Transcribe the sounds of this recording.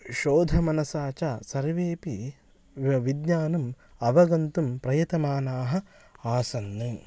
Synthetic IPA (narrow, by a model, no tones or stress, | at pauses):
ʃoːd̪ʱɐmɐnɐsaːt͡ʃasɐɾʋeːpi | ʋid̪ɲaːnɐm | ɐʋɐɡɐnt̪umpɾɐjɐt̪ɐmaːnaːɦɐ | aːsɐnːɨ